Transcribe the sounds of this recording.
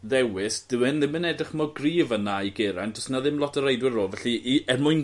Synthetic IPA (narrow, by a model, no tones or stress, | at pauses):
ðɛwɪsd̥əmɛnðɪmɪnɛdrɪχmɔɡriːvənajɡeɾandʰɔsnaðɪmlˠɔtʰəɾejdwɪɾoːvɛɬɨʔiɛmʊɨn